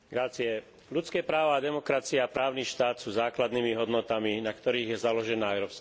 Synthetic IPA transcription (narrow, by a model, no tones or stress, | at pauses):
ɡɾat͡siɛ | lut͡skɛːpɾaːʋaːd̪ɛmɔkɾat͡siaapɾaːʊniːʃt̪aːt̪suːzaːklad̪nimiɦɔd̪nɔt̪aminakt̪ɔɾiːɣjɛzalɔʒɛnaːɛʊɾɔpsk